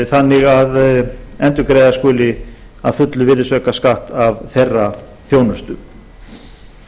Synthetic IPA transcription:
θanːɪɣaðɛnt̪ʏɾkɾejðaskʏːlɪ | aðfʏt̪lʏvɪðʏsvœkaskaht̪avθejrːa | θjoːwnʏst̪ʏ

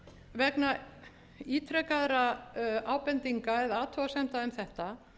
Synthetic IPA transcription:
vɛkna | iːt̪ʰɾɛkaðɾaaːwpɛnt̪iŋkaɛðaːt̪ʰɔasɛm̥t̪aʏmθɛht̪a

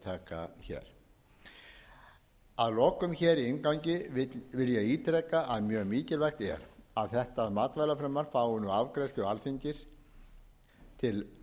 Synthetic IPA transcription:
t̪ʰaːka̰çɛ̰ːɾ̥ | aðlɔkʏmçɛːɾiɪŋkawɲcɪvɪljɛɣiːt̪ɾɛkːaʔaðmjœːɣmiːcɪlvɛxt̪ɛ̰ɾaðθɛht̪aðmaːt̪vajlafɾɛmːaɾ̥faːwʏnʏavkɾajst̪ɣalθiɲcɪs | t̪ʰɪl

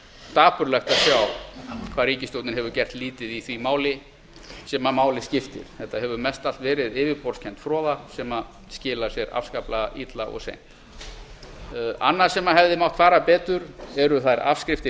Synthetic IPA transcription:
st̪aːpʏɾlɛxt̪asjaːwkʰvaːðɾiːcɪst̪owt̪nɪnɦɛvʏɾcɛr̥t̪liːt̪ɪðiθvimaːwlɪ | sɛːmamaːwlɪscɪft̪ɪ̰ɾ̥θɛht̪ːaɦɛvʏɾmɛst̪alt̪vɛːɾɪðɪːvɪpɔɾ̥scʰɛnt̪fɾɔːðasɛma | scɪːlasjɛɾa̰fvskaplaaʔit̪laʔɔ̰ɣsḛjn̥t̪ | a̰nːaɾ̥sɛmaɦɛvðɪmawht̪faːɾapɛːt̪ʏɾɛɾʏθaɾa̰fskɾɪft̪ɪ

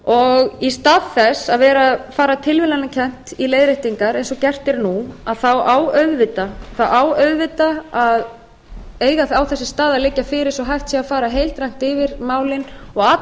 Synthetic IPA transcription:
ɔɣist̪aːðθɛsːaðvɛːɾafaːɾat̪ʰɪlvɪlanːacʰɛn̥t̪ileːjðɾeht̪iŋkaɾejnsɔcɛr̥t̪ɪɛɾnuaðθawaːwœðvɪt̪aθawʔaːwœɥðvɪt̪aað | eːjɣaawθɛsːɪ̥st̪aːðalɪcːafɪːɾɪɾ̥sɔɦajft̪siafaːɾaɦejlt̪ɾajŋ̥t̪ɪvɪɾ̥maːwlɪnɔɣa

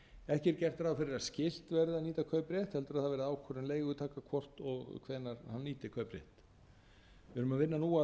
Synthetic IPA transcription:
ɛhcɪɾcɛr̥t̪ɾawfɪɾɪɾascɪl̥t̪vɛɾðɪðaniːt̪akʰœɥpɾjɛht̪hɛlt̪ʏɾaðθaðvɛɾɪðaːwkʰɔɾɪnleːjɣʏt̪ʰaːkakʰvɔr̥t̪ɔɣkʰvɛðnːaɾhanːiːt̪ɪkʰœɥpɾjɛ̰ht̪ | vɛɾʏmaðvɪnːanuːa

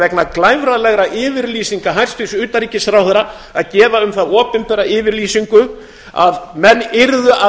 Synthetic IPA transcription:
ɛknaklaːjvɾaðlɛɣɾaʔɪːvɪɾliːsiŋkaɦajr̥st̪ʏsʏːt̪aɾiːcɪsθɾawθɛɾa | aðcɛːvaʏmθaðɔːpɪmpɛɾaɪːvɪɾliːsiŋkʏ | a̰vmɛnːɪɾðʏʔa

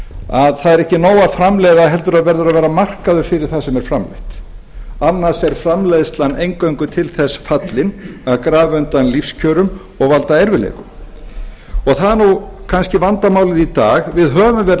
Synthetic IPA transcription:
aðθaðɛɾɛhcɪnoːwaðfɾamlɛːjðaɦɛlt̪ʏɾaðvɛɾðʏɾaðvɛːɾamar̥kaðʏɾ̥fɪɾɪɾ̥θasɛmɛɾ̥fɾamlḛht̪ | anːḁsɛɾ̥fɾamlejðst̪lanːejŋkœɥŋkʏt̪ʰɪlθɛsfat̪lɪnaðkɾaːvɪʏnt̪anlifscʰœːɾʏm | ɔɣvalt̪aɛɾvɪlḛjkʏm | ɔɣθaðɾnukʰanscɪvant̪amaːwlɪðit̪aːɣvɪðɦœːvʏmvɛɾ

